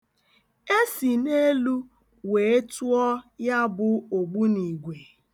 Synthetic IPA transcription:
e˦si˨ne˦lu˦ | we˨˦e˦tu˦ɔ˦ja˦bʊ˨o˨ɡ͡bu˦ni˨ɡʷe˨

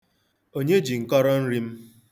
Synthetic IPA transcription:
o˦ɲe˦d͡ʒi˨ŋ̩˨kɔ˦ɾɔ˦n̩˦ɾi˦m̩˦

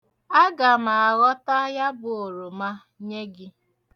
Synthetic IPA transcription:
a˦ɡa˨ma˨a˨ɣɔ˦ta˦ja˦bʊ˨o˨ɾo˨ma˦ | ɲe˦ɡɪ˦

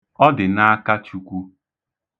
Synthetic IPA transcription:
ɔ˦dɪ˨na˦a˦ka˦t͡ʃu˨kʷu˦

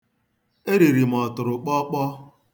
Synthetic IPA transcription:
e˦ɾi˨ɾi˨m̩˨ɔ˨tʊ˨ɾʊ˨k͡pɔ˦k͡pɔ˦

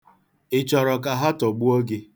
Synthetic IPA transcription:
ɪ˨t͡ʃɔ˨ɾɔ˨ka˨ɦa˦tɔ˨ɡ͡bu˦o˦ɡe˦

